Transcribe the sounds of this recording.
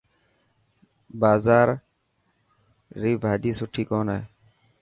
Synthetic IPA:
baːzaːɾ | iːbʱaːd̪iːsʊʈʰiːkoːnɦeː

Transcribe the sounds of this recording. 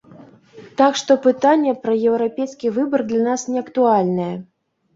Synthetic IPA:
t̪akʂt̪ɔpɨt̪anʲːɛpɾɐjɛwɾapʲejskʲivɨbɐrd̪lʲanasnʲɛɐkt̪ualʲnɐjɛ

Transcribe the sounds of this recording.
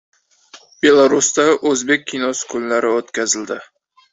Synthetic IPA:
b̥e̞lˠaɾust̪aʔɵzbe̞k̚ʲʰːinosɪ̥kʰʊnlaɾɪot̪kʲʰazɪld̪ɪ

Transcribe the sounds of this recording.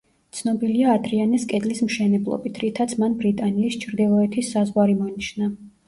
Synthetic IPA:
t̪sʰnɔbiliaːd̪ɾianɛskʼɛd̪lismʃɛnɛblˠɔ̰bit̪ʰɾit̪ʰat̪sʰmanbɾit̪ʼaniːst͡ʃʰɾd̪ilˠɔɛt̪ʰisːazʁwaɾimɔniʃna

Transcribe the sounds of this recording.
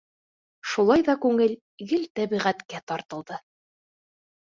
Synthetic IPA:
ʃulˠɑjðɑkʉŋɘl | jɘlt̪æβiʁæt̪kæt̪ɑɾt̪ɤ̆lˠd̪ɤ

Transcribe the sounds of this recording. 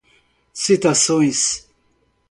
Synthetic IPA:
sit̪asõj̃s

